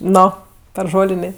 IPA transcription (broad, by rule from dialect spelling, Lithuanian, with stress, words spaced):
ˈnoː pʲɛr ˈʒoːlʲɪnʲeː